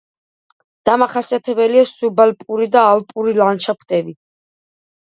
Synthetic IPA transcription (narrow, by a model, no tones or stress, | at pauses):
d̪̥amaχasiat̪ʰɛbɛliasubalpʼuɾid̪aːlpʼuɾilant͡ʃʰapʰt̪ʼɛbi